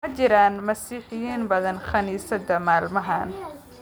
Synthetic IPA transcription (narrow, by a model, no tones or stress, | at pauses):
ɐt͡ʃɪɾaːnmɐsiːħɪjiːnbɐðɐnχɐniːsɐd̪ɐmaːlmɐɦaːn